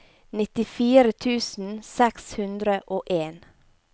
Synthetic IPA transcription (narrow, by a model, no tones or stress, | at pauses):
nɪt̪ɪfiːɾət̪ʰʉːsn̩sɛkshʉnd̪ɾəʔoːʔeːn